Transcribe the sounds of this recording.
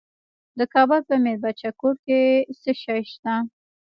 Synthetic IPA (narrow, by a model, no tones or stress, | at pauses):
d̪əkɑbʊlpəmeɾbat͡ʃakoɾkesəʃajʃt̪a